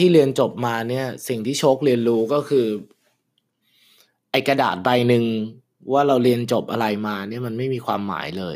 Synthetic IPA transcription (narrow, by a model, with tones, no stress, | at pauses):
t̪ʰiː˥˩ɾi˧ənt͡ɕo˨˩p̚maː˧ni˥˩ɐsi˨˩ŋt̪ʰiː˥˩t͡ɕʰo˦˥k̚li˧ənɾuː˦˥kɔː˥˩kʰɯː˧ | ʔa˧jka˧da̰ː˨˩t̪̚ba˧jnɯ˧ŋ | waː˥˩ɾa˧wɾi˧ənt͡ɕo˨˩p̚ʔa̰˧ɾa˧jmaː˧ni˥˩ɐma˧nma˥˩jmiː˧kʰwaː˧mːa̰ː˩˦jlɤː˧j